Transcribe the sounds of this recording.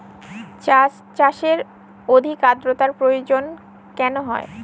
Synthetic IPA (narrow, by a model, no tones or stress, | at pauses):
t͡ɕaʃeɾ | od̪ʱikad̪ɾot̪aɾpɾojod͡ʑon | kɛnoɦɔ̰e